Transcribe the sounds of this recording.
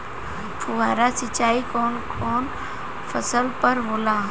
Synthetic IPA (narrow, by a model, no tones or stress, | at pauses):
pʰʊaːɾasɪt͡ʃaːikɔːnkɔːn | fʰəsəlpəɾɦoːlaː